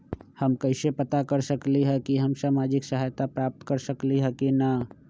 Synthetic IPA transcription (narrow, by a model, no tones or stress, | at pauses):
hɐmkɐɪsepɐt̪akɐɾsəkliɦɛkiɦɐmsaːmaːd͡ʒɪksɐɦajt̪apɾaːp̚t̪kɐɾsəkliɦɛkina